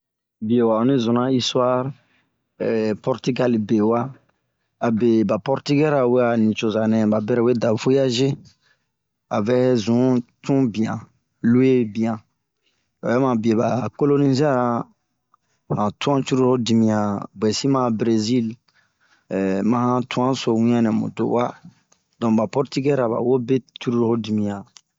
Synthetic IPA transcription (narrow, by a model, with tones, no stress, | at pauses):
bi˨e˨wa˨ɔ˨nĩ˦zũ˨nã˦i˦swa˦ɾ | ɛ˨pɔ˦ɾti˦ɡa˦lbe˨wa˦ | a˨be˨ba˨pɔ˦ɾti˦ɡɛ˦ɾa˨we˦a˨nĩ˨t͡ʃo˨za˨nɛ̃˨ba˨bɛ˦ɾɛ˦˨we˦da˨vo˦ja˦ʒe˦ | a˨vɛ˦zũ˨˦tũ˦bĩ˨ã˨ | lu˦e˦bĩ˨ã˨ | a˨ɛ˦mã˨bi˨e˨ba˨ko˦lo˦ni˦ze˦a˦ɾ | hã˨tũ˦ã˦t͡ʃu˦ɾu˦ho˦di˨mĩ˨ã˨bɛ˨si˦mã˦bɾe˨zi˦l | mã˦hã˦tũ˦ã˦so˨wĩ˦ã˦nɛ̃˨mṵ̃˨to̰˨wa˦ | dɔ̃˨ba˨pɔ˦ɾti˦ɡɛ˦ɾa˨ba̰˨wo˦be˦t͡ʃu˦ɾu˦ɾho˦di˨mĩ˨ã˨